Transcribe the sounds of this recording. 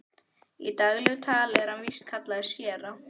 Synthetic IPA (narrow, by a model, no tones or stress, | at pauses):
ḭt̪aɣlʏɣt̪ʰaːlɛɾhanvist̪kʰat̪laðɪsjɛːɾa